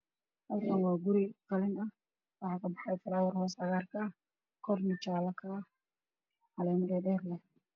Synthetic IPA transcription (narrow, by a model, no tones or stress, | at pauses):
hɐlkʰɐnwɑːɡʊɾɪqɑlɪnɐ | wɑħɑːkʰɐbɑħɑjfɐɾaːwɐrhɔːsɐɣaːrkʰɐ | kʰɔrnɪt͡ʃaːlɐkʰɐ | alɛːmɛːɖɛːrlɐ